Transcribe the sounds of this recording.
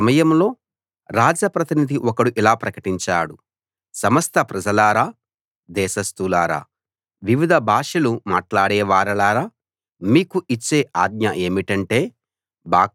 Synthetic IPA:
mɐjɐmlo̞ː | ɾaːd͡ʒɐpɾɐt̪inid̪ʱiʔɔkɐɽuʔilaːpɾɐkɐʈiɲt͡ʃa̰ːɽu | sɐmɐst̪ʰɐpɾɐd͡ʒɐlaːɾaː | d̪ɛːʃɐst̪ulaːɾa̰ː | ʋiʋid̪ʱɐbʱaːʂɐluma̰ːʈlaːɽɛːʋaːɾɐlaːɾaː | miːkuit͡ʃːeːʔaːd̪ɲɐʔe̞ːmiʈɐɳʈe̞ː | ba̰ː

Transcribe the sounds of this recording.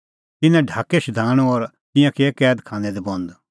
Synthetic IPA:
t̪ɪnɛ̃ɖʱaːkːeʃd̪ʱaːɽ̃oɔɾ | t̪ɪ̃jãkekɛːd̪kʰãːnɛd̪ibɔ̃nd̪

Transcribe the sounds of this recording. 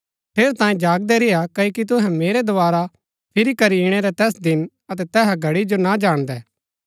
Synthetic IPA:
pʰeːɾt̪ãːĩd͡ʒaːɡ̚d̪ɛɾɪjakɐkit̪̬ʊɦɛ̃meːɾɛd̪ʊaːɾa | pʰɪɾikɐɾiɽ̃ɛɾɛt̪ɛːsd̪ɪn | ɐt̪̬ɛt̪ɛːɦaɡʱɐɽid͡ʒonad͡ʒaːɽ̃d̪ɛː

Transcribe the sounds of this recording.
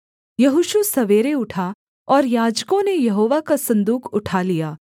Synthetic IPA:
jɐɦʊʃusɐʋeːɾeʊʈʰa | ɔːɾjaːd͡ʒkõnejɐɦoːʋakasɐ̃nd̪uːkʰʊʈʰalijaː

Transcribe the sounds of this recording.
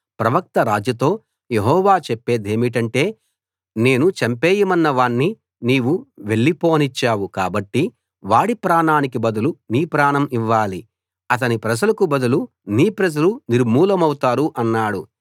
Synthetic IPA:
pɾɐʋɐk̚t̪ɐɾaːd͡ʒjɐt̪o̞ː | je̞ɦɔːʋaːt͡ʃepːe̞ːd̪e̞ːmiʈ̬ɐɳʈe̞ː | ne̞ːnut͡ʃɐmpeːjɐmɐnːɐʋaːɳːi | niːʋuʋe̞ɭːipoːnit͡ʃːaːwukaːbɐʈːi | ʋaːɽipɾaːɳaːnikibɐd̪uluniːpɾaːɳɐmiʋːaːli | ɐt̪ɐnipɾɐd͡ʒɐlɐkubɐd̪ulu | niːpɾɐd͡ʒɐluniɾmuːlɐmɐwut̪aːɾuʔɐnːaːɽu

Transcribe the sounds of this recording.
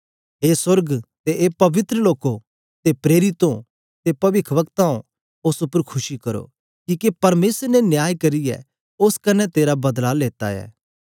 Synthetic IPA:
eːsɐɾɡt̪eʔepɐʋɪt̪ɾəloːko | t̪epɾeːɾɪt̪õ | t̪epɐʋɪkʰʋɐkt̪aõ | ʊsʊpəɾkʰʊʃikɐɾo̰ | kiːkepɐɾmeːsɾnɛnjaːjkɐɾɪjɛ̰ | ʊskɐnɛt̪eːɾabɐd̪laleːt̪a̰ɛ̰ː

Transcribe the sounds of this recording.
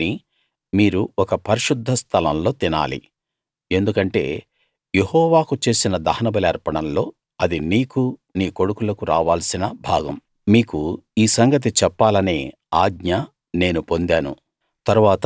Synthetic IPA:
i | miːɾuɔkɐpɐɾiʃud̪ʱːɐst̪ʰɐlɐ̰mlo̞ːt̪ina̰ːlḭ | e̞nd̪ukɐɳʈe̞̰ː | je̞hɔːʋaːkut͡ʃe̞ːsinɐd̪ɐhɐnɐbɐliɐɾpɐɽɳɐmlo̞ː | ɐd̪iniːkuniːko̞ɽukulɐkuɾaːʋaːlɐsinɐbʱaːɡɐm | miːkuiːsɐŋɡɐt̪̬it͡ʃɛpːaːlɐne̞̰ː | aːɡɲa | ne̞ːnupo̞nd̪aːnṵ | t̪ɐɾuʋaːt̪ɐ

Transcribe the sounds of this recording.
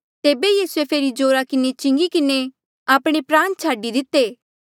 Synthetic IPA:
t̪eːbejiːsʊepʰeːɾid͡ʒoːɾakɪnet͡ʃɪ̃ŋɡikɪne | aːpɽ̃epɾãːnt͡ʃʰaːɖid̪ɪt̪ːeː

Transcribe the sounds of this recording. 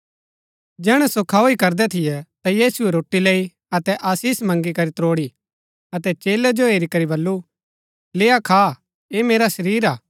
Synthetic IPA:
d͡ʒɛːɽ̃ɛsokʰaːoikɐɾd̪ɛt̪ʰɪjɛt̪ajiːsuɛɾoːʈːileːi | ɐt̪ɛʔaːsiːsmɐ̃ŋɡikɐɾit̪ɾoːɽi | ɐt̪ɛt͡ʃeːlɛd͡ʒoeːɾikɐɾibɐlːu | leːakʰaː | emeːɾasɐɾiːɾaː

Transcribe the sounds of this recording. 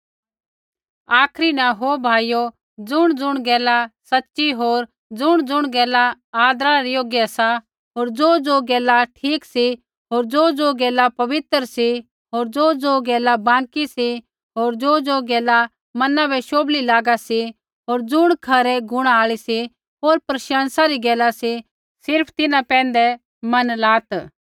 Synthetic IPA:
aːkʰɾinɛ̃ɦobʱaːijo | d͡zʊɽ̃d͡zʊɽ̃ɡɛːlasɐtːʃiɦoːɾ | d͡zʊɽ̃d͡zʊɽ̃ɡɛːla | aːd̪ɾaɾijoːɡjɛsa | ɦoːɾd͡zoːd͡zoɡɛːlaʈʰiːksi | ɦoːɾd͡zoːd͡zoɡɛːlapɐʋɪt̪ɾsi | ɦoːɾd͡zoːd͡zoːɡɛːlabãːŋkisi | ɦoːɾd͡zoːd͡zoːɡɛːla | mɐnabʱɛʃoːblilaːɡasi | ɦoːɾd͡zʊɽ̃kʰɐɾɛɡʊɽ̃aaːɭisi | ɦoːɾpɾɐʃãːnsaɾiɡɛːlasi | sɪɾpʰt̪ɪnãpɛ̃ːn̆d̪ɛ | mɐnlaːt̪

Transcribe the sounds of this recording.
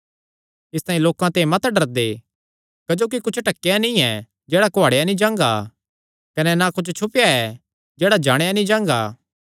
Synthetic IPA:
ɪst̪aːĩloːkãt̪ẽmɐt̪ɖɐɾd̪eː | kɐd͡ʒoːk̬ikʊt͡ʃʰʈɐkːejanĩɛ | d͡ʒeːɽakoaːɽejanĩd͡ʒãːŋɡa̰ː | kɐnɛnakʊt͡ʃʰt͡ʃʰʊpjaɛ | d͡ʒɛːɽad͡ʒaːɽ̃janĩd͡ʒãːŋɡaː

